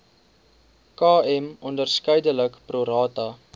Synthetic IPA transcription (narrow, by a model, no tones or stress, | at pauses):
kɑːɛmɔndərskəjdələkpruɾɑːtɐ